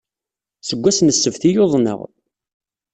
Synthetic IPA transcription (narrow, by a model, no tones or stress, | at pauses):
səɡʷːæsnəsːəvθijoðˤnə̰ʁ